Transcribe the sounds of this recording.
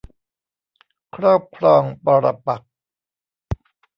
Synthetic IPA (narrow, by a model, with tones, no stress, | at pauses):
kʰɾɔː˥˩p̚kʰɾɔː˧ŋpɔː˧ɾa̰˧pa˨˩k̚